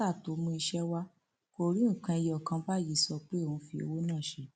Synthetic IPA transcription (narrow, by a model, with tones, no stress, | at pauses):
a˦˨to˨˦mũ˧˦i˧ʃɛ˦wa˦ | ko˧ɾĩ˦˨kã˧i˧jɔ˦˨kã˧ba˦˨ji˨sɔ˧k͡pe˦o˦˨ũ˧fi˧o̰˧wo˦nãː˦˨ʃe˧˦